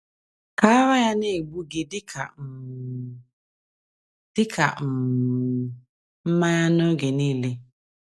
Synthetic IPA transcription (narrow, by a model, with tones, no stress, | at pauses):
ka˨a˦wa˦ja˦ne˦˨ɡ͡bu˦ɡɪ˦dɪ˦kʰa̰˨ | d̥ɪ˦kʰa̰˨m̩˨ | m̩˦ma˦ja˦no˦ɡe˨niː˦le˦